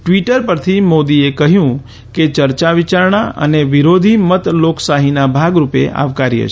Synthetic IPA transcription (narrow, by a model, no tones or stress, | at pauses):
ʈʋiʈəɾpəɾt̪ʰimod̪iekəɦjũ | ket͡ʃəɾt͡ʃaʋit͡ʃaɾɳaʔə̰neʋiɾod̪ʱimət̪loksaɦinabʱaɡɾupḛʔa̰ʋkaɾḭə̰ʃ